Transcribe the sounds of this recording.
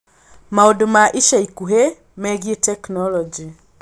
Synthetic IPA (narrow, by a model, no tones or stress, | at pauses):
maodomaʔiʃaikuɦe | mɛɣjetɛknɔlɔd͡ʒi